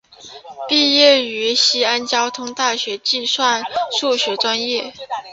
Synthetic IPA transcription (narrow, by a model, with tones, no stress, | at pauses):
pi˥˧jɛ˥˩y˧˥ɕi˥a˥nt͡ɕjɑ˥ʊt̪ʰʊ˥ŋt̪a˥˩ɕɥɛ˧˥t͡ɕi˥˧swa˥˧nʂu˥˩ɕɥɛ˧˥ʈ͡ʂwa˥njɛ˥˩